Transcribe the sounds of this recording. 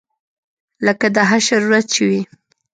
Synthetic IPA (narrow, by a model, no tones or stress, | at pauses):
ləkad̪aɦaɾʃaɾuɾat̪̚t͡ʃɪwi